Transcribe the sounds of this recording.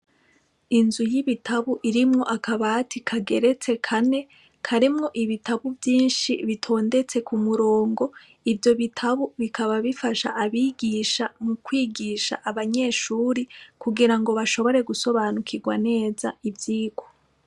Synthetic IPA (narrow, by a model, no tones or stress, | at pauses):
inzujiβitʰaβuʔiɾimŋo̞ʔakaβatʰikʰaɡe̞ɾe̞t͡se̞kʰane̞ | kʰaɾimŋo̞ʔiβitʰaβuvjiːnʃiβitʰo̞ːnde̞t͡se̞kʰumuɾo̞ːŋɡo̞ | ivjo̞βitʰaβuβikʰaβaβifaʃa̰ʔːβiːɡiʃamukwiːɡiːʃa̰ʔaβaɲe̞ːʃuːɾikuɡiɾaŋɡo̞βaʃo̞βo̞ɾe̞ɡuso̞βanukʰiɡwane̞ːzaivjiːɡo